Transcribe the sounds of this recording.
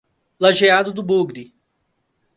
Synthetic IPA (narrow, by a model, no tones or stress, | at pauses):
laʒead̪ʊd̪ʊbuɡɾi